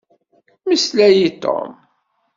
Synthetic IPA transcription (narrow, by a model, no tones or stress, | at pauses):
məslæjit̪o̰m